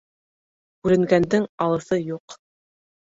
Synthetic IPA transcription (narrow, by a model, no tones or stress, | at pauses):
kʉɾɘ̆ŋɡænd̪ɘŋɑlˠɤ̆θɤjuq